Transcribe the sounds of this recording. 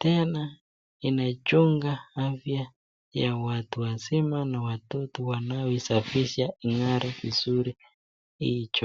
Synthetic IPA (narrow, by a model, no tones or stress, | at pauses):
tɛna | inat͡ʃuŋɡaafja | jawatuwazimanawatɔtɔwanaɔisafiʃaiŋaɾikizuɾi | hit͡ʃɔ